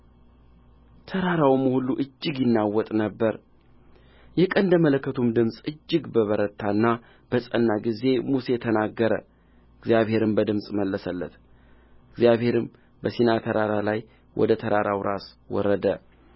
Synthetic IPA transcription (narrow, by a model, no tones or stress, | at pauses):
t̪ʰəɾaɾawməhuluʔɨd͡ʒːɨɡjɪnːawːɔt̪ʼnəbːəɾ | jɛkʼənd̪əmələkːət̪ʰumd̪ɨmsʼɨd͡ʒːɪɡbəβəɾət̪ʰːanːa | b̥əsʼənːaɡize̞muse̞t̪ʰənaɡːəɾə | ɨɡzjaβhe̞ɾɨmbəd̪ɨmsʼməlːəsəlːə̰t̪ | ɨɡzijaβhe̞ɾɨm | bəsinat̪ʰəɾaɾalaj | wʔɔ̰d̪ət̪ʰəɾaɾawɾʔas | wɔ̰ɾəd̪ə